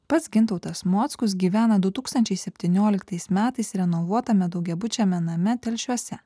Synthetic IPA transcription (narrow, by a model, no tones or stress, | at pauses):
pɐt̪sɡʲɪnt̪ɐʊt̪ɐsmoːt̪skʊs̬ɡʲiːʋʲæːnɐd̪ʊt̪uːkst̪ɐnʲt͡ʃʲɛɪsʲɛpʲt̪ʲɪnʲoːlʲɪkt̪ɐɪsmʲæːt̪ɐɪsɾʲɛnɔʋuɔt̪ɐmʲɛd̪ɒʊɡʲɛbʊt͡ʃʲɛmʲɛnɐmʲɛt̪ʲɛlʲʃʲuɔsʲɛ